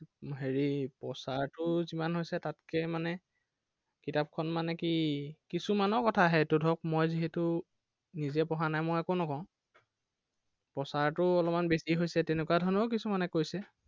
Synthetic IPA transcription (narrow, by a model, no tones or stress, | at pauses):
ɦeɹipɔsaɹtʊzimanɦojsɛtatkɛmanɛ | kitap̚kʰɔnmanɛkikisumanɔɹkɔtʰaɦɛtudʱɔk̚mojziɦɛtʊ | nizɛpɔɦanajmojakonɔkɔ̃ʊ̃ | pɔsaɹtʊɔlɔmanbesiɦojsɛtɛnɛkuwadʱɔnɔk̬isumanɛkojsɛ